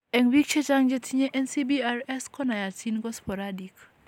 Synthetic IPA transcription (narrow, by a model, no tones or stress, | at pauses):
ɛŋwik̚t͡ʃet͡ʃaŋd͡ʒetʰiɲeʔɛnsibiarɛskɔnajatʰinɡɔspɔɾadik